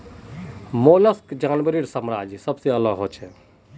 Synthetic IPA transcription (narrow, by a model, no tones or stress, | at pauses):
moːlɐskd͡ʒaːnʋəɾiːɾsəmɾaːd͡ʒisɐbseɐlaɦoːt͡ʃʰɛ